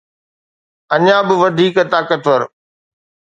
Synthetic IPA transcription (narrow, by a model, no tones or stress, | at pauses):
ɐɲãːbɪʋɐd̪ʱiːkt̪aːkət̪ʋəɾ